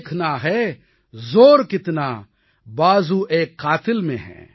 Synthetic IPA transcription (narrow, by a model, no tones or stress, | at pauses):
kʰnaɦɛ | zoːɾkɪt̪na | baːzuʔeːkːaːt̪ɪlmḛ̃ɦɛ̰̃ː